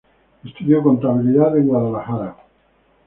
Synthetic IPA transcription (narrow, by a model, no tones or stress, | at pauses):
est̪uðjokont̪aβiliðaðeŋɡwaðalaxaɾa